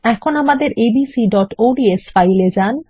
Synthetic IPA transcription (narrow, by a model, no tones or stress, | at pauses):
ɛkʰonamad̪eɾʔebisiɖɔʈoɖiesfajled͡ʑan